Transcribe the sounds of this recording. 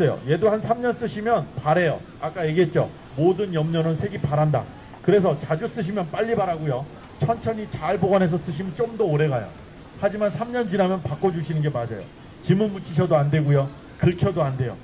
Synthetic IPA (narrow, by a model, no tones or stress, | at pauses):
ejo̰je̞dohansʰamɲʌns͈ɯɕʰimjʌnpaɾe̞jo̰ | ak͈aje̞ɡiɦe̞t̚t͡ɕ͈o̰ | modɯnjʌmɲʌnɯnsʰe̞ɡipaɾanda̰ | kɯɾe̞sʰʌt͡ɕad͡ʑus͈ɯɕ̬ʰimjʌnp͈aʎːibaɾaɡujo | t͡ɕʰʌnt͡ɕʰʌɲit͡ɕaɭboɡanɦe̞s̬ʰʌs͈ɯɕʰimɯnt͡ɕ͈omdʌoɾe̞ɣajo̰ | had͡ʑimansʰamɲʌnd͡ʑinɦamjʌnpak͈ʌd͡ʑuɕʰinɯnɡemad͡ʑa̰jo̰ | t͡ɕimunmut͡ɕʰiɕ̬ʰʌdoande̞ɡujo | kɯɭkʰjʌdoande̞jo̰